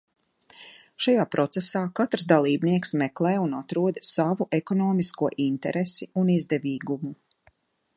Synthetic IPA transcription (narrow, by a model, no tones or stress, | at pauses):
ʃajaːpɾɔt̪sɛsaːkat̪ɾs̬d̪alˠiːbniɛksmɛklˠɛːjunat̪ɾuɔd̪savuʔekɔnɔːmiskuɔʔint̪ɛɾesiunizd̪ɛviːɡumu